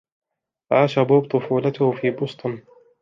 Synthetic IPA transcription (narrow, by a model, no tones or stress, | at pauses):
ʔaːʃabuːb̚t̪ˤʊfuːlat̪ʊhfiːbʊst̪ˤʊn